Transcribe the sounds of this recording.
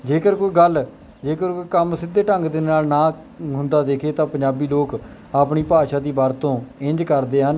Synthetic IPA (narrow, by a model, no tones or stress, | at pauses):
d͡ʒeːkəɾkoːiːɡəl | d͡ʒeːkəɾkoːiːkəmsɪd̪ːeːʈəŋɡd̪ɪnnaːlnãː | ɦʊ̃nd̪aːd̪eːkʰeːt̪ãːpəɲd͡ʒaːbiːloːk | aːpɳiːpaːʃaːd̪iːbaːɾt̪õːɪ̃ɲd͡ʒkəɾd̪eːɦən